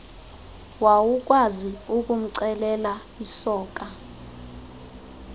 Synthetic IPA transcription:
wawuk̬ʼwaziuk̬ʼum̩ǀɛlɛla | isɔːkʼa

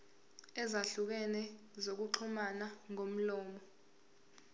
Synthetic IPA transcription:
ɛzaɬuk̬ɛnɛ | zok̬uǃʰumanaŋom̩lɔːmɔ

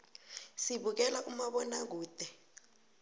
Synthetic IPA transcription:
siɓuk̬ɛlaʔumaɓɔnak̬uːd̥ʱɛ

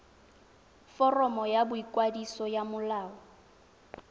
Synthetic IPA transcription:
fɔrɔmɔjabʊikʼwadisɔjamʊlaːɔ

